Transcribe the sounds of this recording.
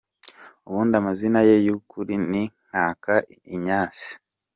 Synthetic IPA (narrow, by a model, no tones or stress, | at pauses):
uβuːndamazinajejukuɾiniŋ̥aːkaiɲaːt͡si̥